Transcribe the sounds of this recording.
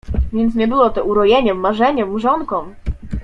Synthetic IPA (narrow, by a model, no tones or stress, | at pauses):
vʲjɛnt̪s̬ɲɛbɘwɔt̪ɔʔuɾɔjɛɲɛmmːaʐɛɲɛmʐɔnkɔm